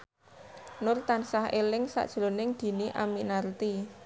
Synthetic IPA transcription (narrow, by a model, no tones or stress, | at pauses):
nʊrt̪ansahelɪŋsa̰ʔd̥ʒ̥əlonɪŋd̪̥i̤niʔaminart̪i